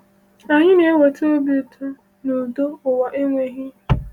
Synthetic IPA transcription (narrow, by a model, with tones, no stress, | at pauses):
a˨ɲɪ˦ne˨˦wo˨to˦bi˦˨tʰʊ˦ | no˨do˦ʊ˨wa˨ʔe˦ŋʷe˨ɦɪ˦